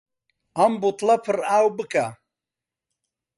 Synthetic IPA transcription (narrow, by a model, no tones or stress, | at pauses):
ambut̪lapʰɨɾaːwbɨka